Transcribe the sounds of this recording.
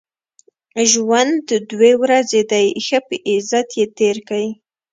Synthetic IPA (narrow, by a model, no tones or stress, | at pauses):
ʒwand̪əd̪wewɾazed̪ajxəpəʔɪzat̪jet̪eɾkawi